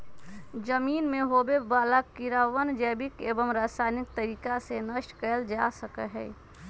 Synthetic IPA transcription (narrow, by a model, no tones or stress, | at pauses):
d͡ʒəmiːnmẽɦoːbebaːlakːiɾaːʋənd͡ʒɛːbikeːbəmɾaːsaːnɪk̚t̪əɾiːkasenəʃʈkɛːld͡ʒasəkəɦɛ̰ː